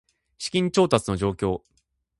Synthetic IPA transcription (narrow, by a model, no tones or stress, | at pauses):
ɕi̥kʲĩɲ̟t͡ɕo̞ːt̪at͡sɨno̞ʑo̞ːkʲo̞ː